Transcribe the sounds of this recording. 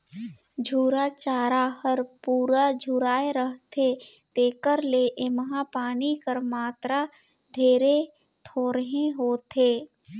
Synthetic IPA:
d͡ʒʱuːɾat͡ʃaːɾahəɾpuːɾad͡ʒʱuɾaːeɾəɦt̪ʰe | t̪eːkəɾleʔeməɦãpaːnikəɾmaːt̪ɾa | d̪ʱeːɾe | t̪ʰoːɾəɦẽɦoːt̪ʰeː

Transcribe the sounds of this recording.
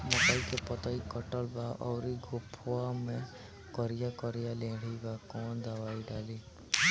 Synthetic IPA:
mɔkaikepɔt̪əikəʈəlbaʔɔːɾiɡʱʊpʰwamẽ | kɔɾijakɔɾijalẽːɽ̤ibakɔːnd̪əʋaːiɖaːliː

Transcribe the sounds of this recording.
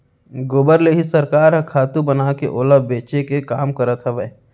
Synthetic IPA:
ɡoːbəɾleːɦisɐɾkaːɾɦɐ̃kʰaːt̪ũbənaːkḛʔoːləbːeːt͡ʃekekaːmkɐɾət̪ɦɛʋɛɦ

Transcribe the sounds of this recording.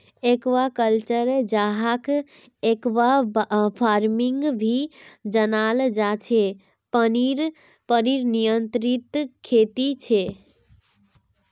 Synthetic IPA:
ekʋakəlt͡ʃəɾd͡ʒaɦak | ekwapʰaɾmiŋɡbʱid͡ʒənald͡ʒat͡ʃʰe | pəniɾ | pəniɾnijənt̪ɾit̪kʰːet̪it͡ʃʰe

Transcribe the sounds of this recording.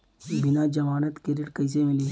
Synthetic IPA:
bɪnad͡ʒɐmaːnət̪keɾɪʈkɐjsemili

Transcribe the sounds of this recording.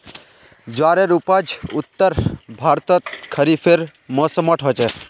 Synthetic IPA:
d͡ʒwaːɾeɾupad͡ʒʊt̪ːəɾbʱaːɾt̪ɔt̪kʰəɾipʰeɾ | mɔːsəmɔʈʰɦɔt͡ʃe

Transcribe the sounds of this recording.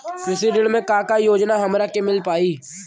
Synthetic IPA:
pɾɪsiɖɪɽmẽkaːkajoːd͡ʒnaɦɐmɾakemɪlpaːiː

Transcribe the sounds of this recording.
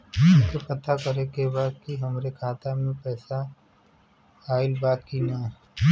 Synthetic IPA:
ʊkepɐt̪akəɾekebaːd̪̚kiɦɐmɾekʰaːt̪amẽpɛːsa | aːɪlbaːt̪kinaː

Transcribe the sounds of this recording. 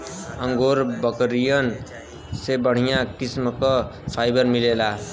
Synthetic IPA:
ʌŋɡoɾbʌkɾijʌn | sebʌɽ̤ijãkismkʌpʰajbʌɾmilela

